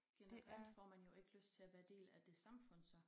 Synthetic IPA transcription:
ɡ̥enʁæl̰d̥fɒ̰ːmænjo̝e̝ɡ̥əløsd̥̚t͡sʰe̝æʋæːɐd̥e̝̰ːlæd̥e̝sɑ̈mfɔ̽n̰sɒ̽

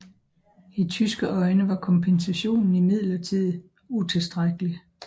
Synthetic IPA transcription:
it͡sʰysɡ̥əʔɒ̽ɪnəʋɑ̈kʰɒ̽mpʰensæɕo̝̰ːnn̩imið̞̰ˠlɐt͡sʰið̰ˠ | ut͡sʰe̝sd̥ʁaɡ̥əli

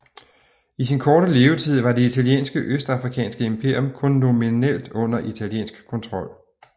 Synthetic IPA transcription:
isinkʰɒːɾəle̝ːʊt͡sʰið̞̰ˠʋɑ̈de̝it͡sʰæljḛːnsɡ̥əʔøsd̥ɑ̈fʁikʰɛ̰ːnsɡ̥əempʰe̝ɐjɔmkʰɔ̽nːo̝minel̰d̥ɔ̽n̰ɐʔit͡sʰæljḛːnsɡ̥kʰɔ̽nt͡sʰʁɒ̽l̰

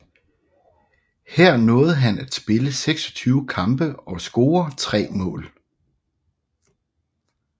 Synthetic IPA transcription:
heɐ̰nɔ̽ːð̩ˠɦænæd̥sb̥e̝ləseɡ̥sɒ̽t͡sʰyːʊkʰɑ̈mb̥əɒ̽sɡ̥o̝ːɐt͡sʰʁɛ̰ːmɔ̰̽ːl

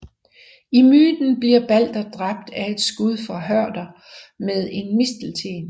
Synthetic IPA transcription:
imyːd̥n̩b̥liɐ̰b̥æl̰d̥ɐd̥ʁɑ̈b̥̚d̥æe̝d̥sɡ̥uð̞ˠfɒɦɶɐ̰d̥ɐ | með̞ˠe̝nmisd̥l̩t͡sʰe̝̰ːn

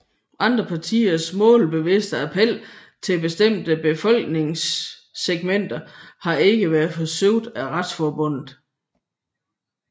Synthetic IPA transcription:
ʔɑ̈nd̥ʁɐpʰɑ̈t͡sʰḭːɐsmɔ̰̽ːlb̥e̝ʋe̝sd̥əæpʰel̰ | t͡sʰe̝lb̥e̝sd̥em̰d̥əb̥e̝fɒ̽l̰ɡ̥ne̝ŋsːeɡ̥men̰d̥ɐhɑ̈e̝ɡ̥əʋæːɐð̩ˠfɒ̽søʊ̰d̥æʁad̥sfɒːb̥ɔ̽n̰ð̩ˠ

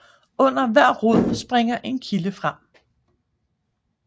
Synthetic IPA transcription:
ɔ̽n̰ɐʋæɐ̰ʁoð̰ˠsb̥ʁeŋ̰ɐʔe̝nkʰiləfʁɑm̰

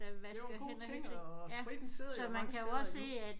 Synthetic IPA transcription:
ʋɡo̝̰eŋ̰ɒsʁid̥n̩seð̰ˠɐsɒ̽mænkʰæjoɒ̽sːe̝̰ːæ̥

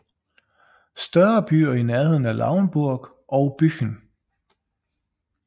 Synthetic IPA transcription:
sd̥ɶɐb̥y̰ːɐinæɐheð̰ˠn̩æɐlʔɑ̈ʊnb̥uɐ̰ɡ̥ | ʔɒʊb̥yɡ̥n

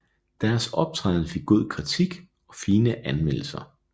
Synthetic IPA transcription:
d̥æɐsɒ̽b̥̚t͡sʰʁɑ̰ːð̩ˠfe̝ɡ̥̚ɡ̥o̝ð̞̰ˠkʰʁit͡sʰiɡ̥ | ɒ̽fiːnəʔænmel̰l̩sɐ

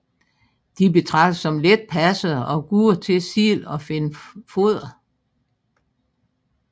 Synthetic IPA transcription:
d̥ibe̝t͡sʰʁɑ̈ɡ̥̚d̥əsɒ̽mled̥̚pʰæsəɒ̽ɡ̥uːɐt͡sʰe̝sḭːlɒ̽fe̝nfo̝ð̰ˠɐ

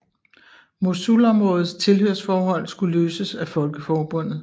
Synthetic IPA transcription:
mo̝sulɒ̽mʁɔ̽ːð̩ˠst͡sʰe̝lhøɐ̰sfɒːɦɒ̽l̰sɡ̥uløːsəsæfɒ̽lɡ̥əfɒːb̥ɔ̽n̰ð̩ˠ

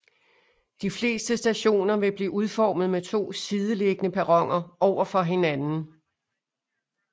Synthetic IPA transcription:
d̥ifle̝̰ːsd̥əsd̥æɕo̝̰ːnɐʋe̝b̥liːʔuð̞ˠfɒːmð̞̩ˠmet͡sʰo̝̰ːsiːð̞ˠəle̝ɡ̥ənəpʰæʁɒ̽ŋ̰ɐɒʊ̰ɐfɒ̽ɦe̝nænn̩

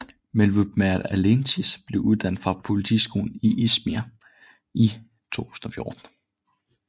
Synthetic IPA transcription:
melʋub̥mæɾælent͡sʰisb̥le̝ʊuð̞ˠd̥æn̰d̥fʁɑ̈pʰo̝lit͡sʰḭːsɡ̥o̝̰ːln̩iʔismiæ | i | t͡sʰo̝̰ːt͡sʰu̥ːsn̩ɒ̽fjo̝ɐd̥n̩

